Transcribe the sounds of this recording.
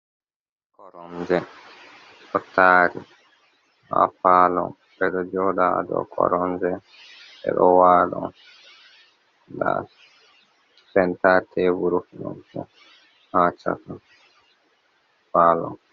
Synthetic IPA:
kɔɾɔmd͡ʒɛ | ɗɔtʰaːɾi | ha̰faːlɔn | bɛɗɔd͡ʒɔdadɔ̰kʰɔ̰ɾɔmd͡ʒɛ | bɛ̰ɗɔwaːdɔn | da | sɛntatʰɛvuɾufinɔ̰nkɔ | hat͡ʃa̰tɔ | faːlɔn

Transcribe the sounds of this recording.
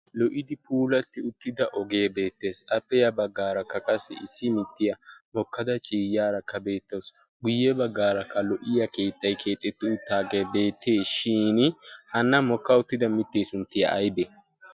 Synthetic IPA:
lɔʔɪd̪ɪpʰuːlɐt̪ːɪʊt̪ːɪd̪ɐʔɔɡe̞ːbe̞ːt̪ːe̞ːsɐpːɛjɐbɐɡːaːɾɐkːɐkʼɐsːɛ̰ɪsːɪmɪt̪ːɪjɐmɔkːɐd̪ɐt͡ʃʼiːjaːɾɐkːɐbe̞ːt̪ːos | ɡʊjːɛbɐɡːaːɾɐkːɐlɔʔɪjɐke̞ːt̪ʼːɐjkʰe̞ːt̪ʼːɛt̪ːɪʊt̪ːaːɡeːbe̞ːt̪ːeːʃiːnhɐnːɐmɔkːɐʊt̪ːɪd̪ɐmɪt̪ːeːsʊnt̪ːɪjɐ̰ʔɐjbɛ

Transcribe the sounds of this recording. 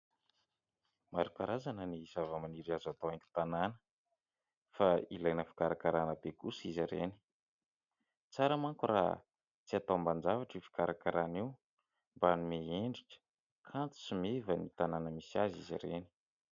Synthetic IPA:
maɾukaɾazanənizavəmaniɾiazat̪owaŋkʲu̥t̪ananə̥ | failajnəfi̥kaɾakaɾanəbekusiziɾeni̥ | t͡saɾəmaŋkura̰ | t͡siat̪amband͡ʒavaʈ͡ʂifi̥kaɾakaɾaniw | mbanumeeɳɖ͡ʐiʈ͡ʂə̥ | kʰant̪u̥simevənit̪ananəmisiazizḭɾeni̥

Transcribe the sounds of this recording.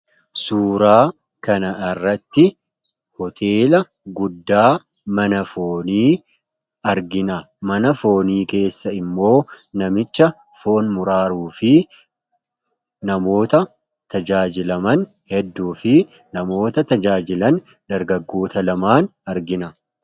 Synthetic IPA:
suːɾaː | kɐnɐɪrːɐt̪ːɪ | hɔt̪ʰe̞ːlɐ | ɡʊd̪ːaː | mɐnɐfo̞ːniː | ɐɾɡɪnɐ | mɐnɐfo̞ːniːke̞ːsːɐɪmːo̞ːnɐmɪt͡ʃːɐ | fo̞ːnmʊɾaːɾuːfɪ | nɐmo̞ːt̪ɐ | t̪ɐd͡ʒaːd͡ʒɪlɐmɐn | hɛd̪ːuːfɪ | nɐmo̞ːt̪ɐt̪ɐd͡ʒaːd͡ʒɪlɐn | d̪̥ɐɾɡɐɡːo̞ːt̪ɐlɐmaːnɐɾɡɪnɐ

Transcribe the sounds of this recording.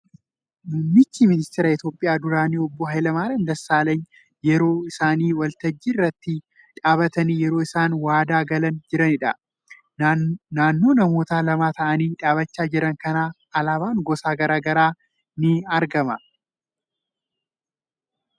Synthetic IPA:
mʊmːɪt͡ʃːimɪnɪst̪ɪɾɐɪt̪jo̞ːpʼːɪjaːd̪ʊɾaːniːɔbːɔɦɐjlɐmaːɾɐnd̪ɐsːaːleːn | jɛɾo̞ːɪsaːniːwɐlt̪ɐd͡ʒːirːɐt̪ːɪ | ᶑaːbɐt̪ɐniːjɛɾo̞ːɪsaːnwaːd̪aːɡɐlɐnd͡ʒɪɾɐnɪᶑɐ | naːnːo̞ːnɐmo̞ːt̪aːlɐmaːt̪ɐʔɐniːᶑaːβɐt͡ʃːaːd͡ʒɪɾɐŋkɐnaː | ɐlaːbaːŋɡɔsaːɡɐɾaːɡɐɾaː | nɪɐɾɡɐmɐ

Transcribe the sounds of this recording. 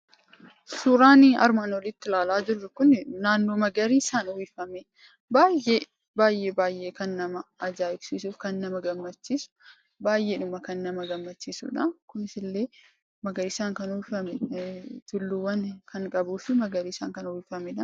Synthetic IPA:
suːɾaːnɐ̰ɾmaːnɔlɪt̪ːɪlaːlaːd͡ʒɪrːɐkʊnnaːnːo̞ːmɐɡɐɾiːɪsaːnʊwiːfɐmɛ | baːjʔeː | baːjːe̞ːbaːjʔːe̞ːkɐnːɐmɐɐd͡ʒaːɪbsiːsuːfkɐnːɐmɐɡɐmːɐt͡ʃːiːsʊ̥ | baːjʔeːᶑʊmɐkɐnːɐmɐɡɐmːɐt͡ʃːiːsṵːᶑɐkʊnɪsɪlːe̞ː | mɐɡɐɾisaːŋkɐnʊwɪfɐmɛt̪ʊlːuwɐnkʰɐŋkʼɐbuːfɪmɐɡɐɾiːɪsaːŋkɐnɔwiːfɐmɛᶑɐ

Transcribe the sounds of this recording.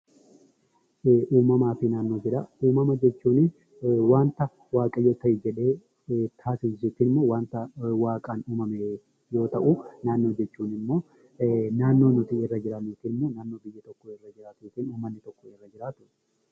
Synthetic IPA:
ʔuːmɐmaːfɪnaːnːo̞ːd͡ʒɪɾɐuːmɐmɐd͡ʒɛt͡ʃːuːnɪ | waːnt̪ɐ | waːkʼɐjo̞ːt̪ɐʔɪd͡ʒɛᶑe̞ː | t̪ʰaːsɪnsɪt̪ɪːnɪmːo̞ːwaːnt̪ɐwaːkʼaːnuːmɐme | jo̞ːt̪ɐʔʊnaːnːo̞ːd͡ʒɛt͡ʃːuːnɪmːo̞ː | naːnːo̞ːnʊt̪ɪɪrːɐd͡ʒɪɾɐniːt̪ɪːnɪmːoːnaːnːo̞ːbɪjːɐt̪ɔkːɔɪrːɐd͡ʒɪɾaːt̪iːt̪ɪːnuːmːɐnːɪt̪ɔkːɔɪrːɐd͡ʒɪɾaːt̪ʊʔɛ̥

